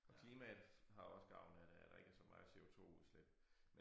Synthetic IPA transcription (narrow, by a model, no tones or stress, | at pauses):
ɒ̽kʰliːmɛðɦɑ̈joɒ̽sɡ̥ɑ̈ʊ̰nəæd̥eæd̥ɑ̈e̝ɡ̥əæɐsɒ̽mɑ̈ɪse̝ːo̝t͡sʰo̝̰ːuðˠsleb̥ | me